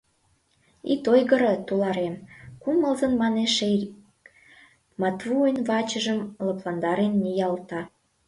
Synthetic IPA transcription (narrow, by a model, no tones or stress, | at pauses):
it̪ojɣəɾə̆t̪ulɑɾemkuməlzənmɑneʃe | mɑt̪vuenvɑt͡ɕə̆ʒəmləplɑnd̪ɑɾenːijɑlt̪ɑ